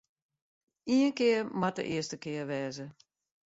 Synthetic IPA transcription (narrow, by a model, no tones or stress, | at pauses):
iənkɪərmatə̰ʔɪəstəkɪəʋɛːzə